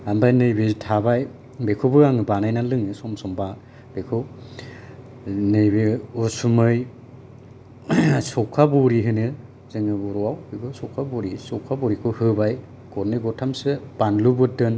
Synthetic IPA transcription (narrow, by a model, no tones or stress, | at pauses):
ambajnɯjbetʰabaj | bekʰubɯaŋɯbanajnalɯŋɯsɔmsɔmba | b̥ekʰɯ | nɯjbeusumɯj | sɔkʰabɔɾiɦɯnɯ | zɯŋɯbuɾɔwawɯɡɯsɔkʰabɔɾisɔkʰabɔɾikʰɯhɯbaj | ɡ̥ɔɾnɯjɡɔtʰamsɯb̥anlubɯdɯn